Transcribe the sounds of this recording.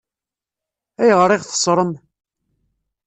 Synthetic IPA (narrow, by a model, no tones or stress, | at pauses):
æjəʁɾˤɪʁθə̥sˤɾˤəm